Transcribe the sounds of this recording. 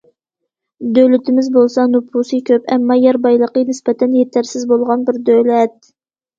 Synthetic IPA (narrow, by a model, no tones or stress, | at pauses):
d̪ølɪt̪ʰɪmɪzbolˠsɑnupʰusɨkʲʰøpɛmːɑjɛɾbɑjlˠəqənɪspɛt̪ʰɛnjet̪ʰæɾsɪzbolˠʁɑnbɪɾd̪ølɛt̪̚